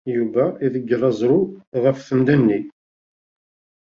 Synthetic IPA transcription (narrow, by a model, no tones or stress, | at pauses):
juvæiðəɡːrˤːɑzˤɾʊʁəfθənd̪ænːi